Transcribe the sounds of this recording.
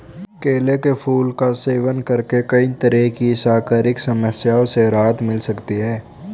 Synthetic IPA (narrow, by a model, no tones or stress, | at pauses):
keːlekepʰuːlkaseːʋənkɐɾkekɐit̪əɾɛkisaːkaːɾɪksɐməsjaːõseɾaːt̪mɪlsɐkt̪iɦɛː